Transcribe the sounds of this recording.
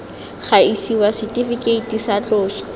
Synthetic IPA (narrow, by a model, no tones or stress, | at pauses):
χaisiwasɪtʼifikʼeitisat͡ɬʼʊːsɔ̥